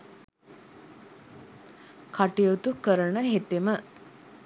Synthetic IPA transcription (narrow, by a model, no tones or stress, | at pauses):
kaʈijot̪ukəɾənəɦet̪emə